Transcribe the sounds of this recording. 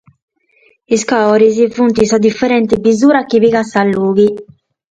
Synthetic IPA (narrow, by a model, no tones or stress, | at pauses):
iskaɔɾizivunt̪isɔd̪ifɛɾɛnt̪ibizuːɾakːiβiɣasalːuːɡi